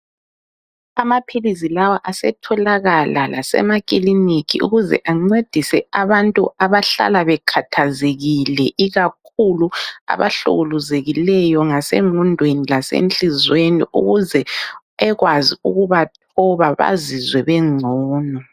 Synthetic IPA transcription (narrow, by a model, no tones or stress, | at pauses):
amapʰilisilawaʔasɛ̰tʰɔlaɣalalʔasɛ̰makʼilinikʰḭṵɣuzɛ̰ʔaŋ͡ǀed̥ʱisɛ̰aβantʼuaβaɬa̰laβɛkʰatʰazeɣilɛʔiɣakʰulua̰βa̰ɬṵɣuluzeɣilɛjɔŋasḛŋundʱwenilasḛnt͡ɬʼizwenḭʔṵɣuzɛ | ɛɣwaziuɣuβatʰɔβaβa̰zizwɛβɛŋ͡ǀʱɔːnɔ